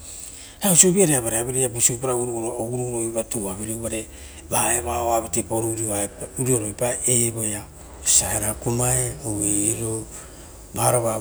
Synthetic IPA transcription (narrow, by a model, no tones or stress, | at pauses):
hausobiaɾeaβaɾeaβeɾejabusojpaɾaɡuɾuɡoɾooɡuɾuɾojbatuaβeɾibaɾe | baeβaoaβatepoɾuɾioauɾioɾojpaeboja | saheɾakumaeoweeɾo | baɾoβa